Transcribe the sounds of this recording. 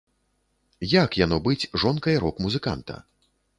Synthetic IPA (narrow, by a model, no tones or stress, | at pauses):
jakjanɔbɨt͡sʲʐɔnkɐjɐɾɔkmuzɨka̰nt̪ɐ̰